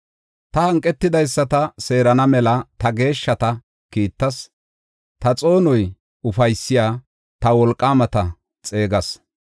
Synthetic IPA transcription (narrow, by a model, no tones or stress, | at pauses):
t̪ɐhɐŋkʼːɛt̪ːɪd̪ɐjsːɐt̪ɐse̞ːɾɐnɐmɛlɐt̪ɐɡe̞ːʃːɐt̪ɐ | kiːt̪ːɐs | t̪ɐt͡sʼo̞ːnɔj | ʊfɐjsːɪjaː | t̪ɐwɔlkʼːaːmɐt̪ɐ | t͡sʼe̞ːɡɐs